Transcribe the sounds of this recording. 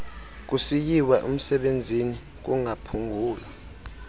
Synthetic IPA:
k̬usijiwaʔum̩sɛɓend͡zʱini | k̬uŋʱapʰuŋɡʱuːla

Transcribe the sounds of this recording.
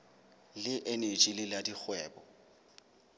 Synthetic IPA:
lɪʔenet͡ʃʼilɪladik͡xʰwɛːbɔ

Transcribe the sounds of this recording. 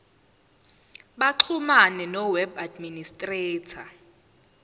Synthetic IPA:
ɓaǃʰumanɛnɔwɛbadministʼrɛːtʰa

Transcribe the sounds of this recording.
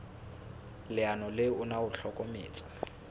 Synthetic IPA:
lɪanɔlɪʊnaʊɬɔkʼɔmḛːt͡sʼḁ

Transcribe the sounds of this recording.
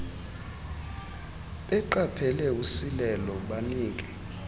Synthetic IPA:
ɓɛǃapʰɛlɛusilɛlɔɓaniːk̬ʼɛ

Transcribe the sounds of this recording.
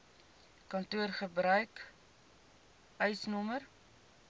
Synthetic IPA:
kɐntuərχəbɾœɥk | œɥsnɔmər

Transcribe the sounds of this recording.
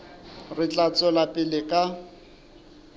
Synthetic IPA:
rɪt͡ɬʼat͡sʼɔlapʼɪlɪkʼa

